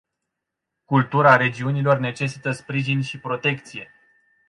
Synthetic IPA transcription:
kult̪uɾaɾe̞d͡ʒiunilo̞rne̞t͡ʃe̞sit̪əspɾiʒinʃipɾo̞t̪e̞kt̪sije̞

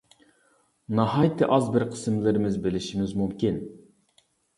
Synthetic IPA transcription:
nɑhɑjt̪ʰɪʔɑzbɪɾqʰə̥smlɪɾɪmɪzbɪlɪʃimɪzmumkʲʰin

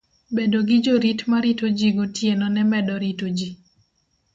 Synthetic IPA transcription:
bedoɡɪd͡ʒoɾitmaɾitod͡ʒiɡotjenɔnɛmɛdɔɾitod͡ʒi

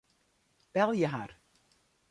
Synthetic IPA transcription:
b̥ɛlˠjəɦar

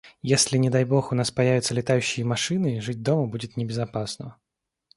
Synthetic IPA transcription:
jesʲlʲɪnʲɪd̪ajbo̞xʊnaspɐjævʲɪt̪səlʲɪt̪ajʉɕːɪjəmɐʂɨnɨiʐɨt̚ʲd̪o̞məbudʲɪt̪nʲɪbʲɪzɐpasnə

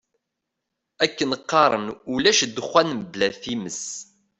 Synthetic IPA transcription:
ækːənəqːɑɾˤənulæʃd̪ːəχːænməblæθiməs

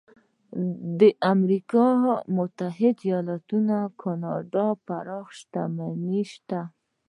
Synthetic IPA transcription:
d̪əʔamɾikɑmʊt̪aɦɪd̪ijɑlat̪unakʰɑnɑɖɑpaɾɑxʃt̪amaniʃt̪a

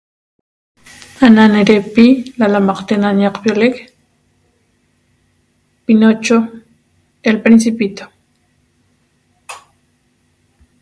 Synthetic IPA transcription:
ananeɾepilalamaqt̪enaɲaqpjolek | pinot͡ʃo | elpɾinsipit̪o

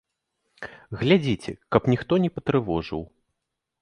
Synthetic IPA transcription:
ɣlʲad͡zʲit͡sʲɛkɐpnʲixt̪ɔnʲɛpɐt̪ɾɨvɔʐɨ̰w

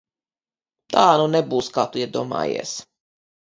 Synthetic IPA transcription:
t̪aːnunɛbuːskat̪uiɛd̪uɔːma̰ːjḛɛs

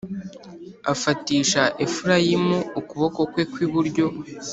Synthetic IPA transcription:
afatiːʃaʔefuɾajimuːkuβo̞ko̞kwe̞kwiβuɾɟo̞

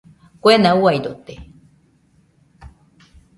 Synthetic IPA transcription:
kʷenauajdot̪e

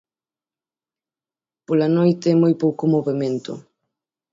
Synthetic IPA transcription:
polanojt̪emojpowkomoβemẽnt̪o̰

